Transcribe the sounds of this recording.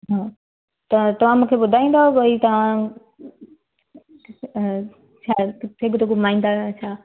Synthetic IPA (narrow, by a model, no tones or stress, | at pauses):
ɦãː | t̪ɐt̪ɐʋ̤ãmũːkʰebʊd̪ʱaːĩːn̆d̪aɦoʋɐit̪ɐʋ̤ã | t͡ʃʰaɪɡʊt̪okomaːĩnd̪aɐt͡ɕʰaː